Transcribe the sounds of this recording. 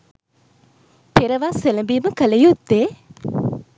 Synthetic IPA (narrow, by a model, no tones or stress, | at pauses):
peɾəʋaseləmbiːməkələjut̪ːe